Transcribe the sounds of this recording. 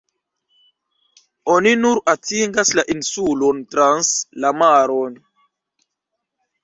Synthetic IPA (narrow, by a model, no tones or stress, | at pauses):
oninuɾatiŋɡaslaʔinsulontɾanslamaɾon